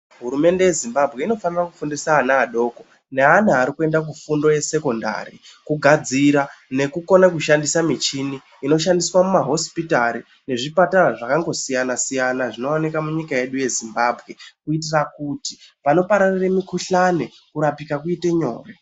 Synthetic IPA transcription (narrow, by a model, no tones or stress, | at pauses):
ɦuɾume̞nde̞je̞zimbabʱɣe̞ino̞fanirakufundisaːnaːɗo̞ːko | neanaaɾikue̞ndak̬ufundo̞je̞se̞ko̞nda̰rḭkuɡʱad͡ziɾane̞kuko̞nakuʃandisamit͡ʃiniːno̞ʃandiswamumaɦo̞spitaɾi | ne̞ʐipataraʐakaŋɡo̞sijanasijanaʐino̞ːnikamuɲikaje̞ɗuje̞zimbaːbʱɣe̞kuitirakutipano̞paɾariremikuɬane̞ | kuɾapikakuite̞ɲo̞̰ːre